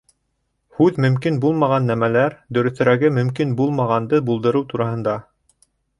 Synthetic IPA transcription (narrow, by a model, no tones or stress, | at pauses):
hʉðmɵ̆mkinbulˠmɑʁɑnːæmælæɾd̪ɵ̆ɾɵ̆θɘ̆ɾæɡɘmɵ̆mkinbulˠmɑʁɑnd̪ɤbulˠd̪ɤ̆ɾɤwt̪uɾɑhɤ̆nd̪ɑ